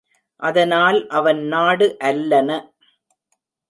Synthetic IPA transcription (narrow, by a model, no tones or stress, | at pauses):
ʔɐðɐnaːlʔɐʋɐnnaːɽɯʔɐlːɐnɐ